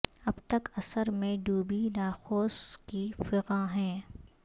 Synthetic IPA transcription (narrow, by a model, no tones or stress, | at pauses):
ɐbt̪ɐkɐsəɾmẽɖuːbinaːxoːskifɪqãɦɛ̃ː